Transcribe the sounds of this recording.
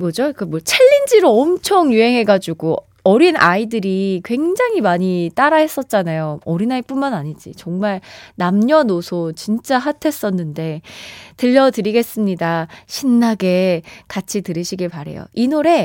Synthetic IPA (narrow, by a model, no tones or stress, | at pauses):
mʌd͡ʑokɯmwʌt͡ɕʰeʎːind͡ʑiɾoʌmt͡ɕʰʌŋjuɦe̞ŋɦe̞ɡad͡ʑuɡo | ʌɾinʔa̰idɯɾikwe̞ŋd͡ʑaŋɦimaɲit͈aɾaɦe̞s͈ʌt̚t͡ɕ͈anajoʌɾinaip͈unmanaɲid͡ʑḭt͡ɕʌŋmaɭnamɲʌnosʰot͡ɕint͡ɕ͈aɦatʰe̞s͈ʌnːɯnde̞tɯʎːʌtɯɾiɡe̞s͈ɯmɲidaɕʰinːaɡe̞kat͡ɕʰitɯɾɯɕʰiɡiɭpaɾḛjo̰inoɾe̞